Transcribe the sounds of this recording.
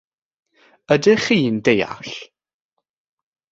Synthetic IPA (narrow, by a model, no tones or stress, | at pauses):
ədɨχiːndeja̰ɬ